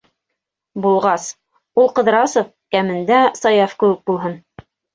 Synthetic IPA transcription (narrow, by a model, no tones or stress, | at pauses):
bulˠʁɑs | ulˠqɤ̆ðɾɑsŏf | kæmɘ̆nd̪æsɑjɑfkɘ̆wɘ̆k̚bulˠɦɤn